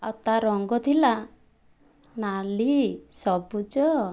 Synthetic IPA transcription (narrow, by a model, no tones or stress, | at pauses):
a̰wt̪aɾɔŋɡɔt̪ʰila | nalisɔbud͡ʒɔ